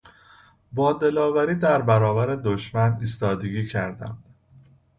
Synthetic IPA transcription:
bɒːd̪e̞lɒːvæɾiːd̪æɾbæɾɒːvæɾe̞d̪oʃmæniːst̪ɒːd̪e̞ɟiːcʰæɾd̪æ̰md̪̥

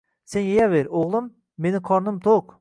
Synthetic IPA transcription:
senjejaveɾoʁlˠɪmː | e̞nɪqʰɒɾnɪmt̪ʰoq

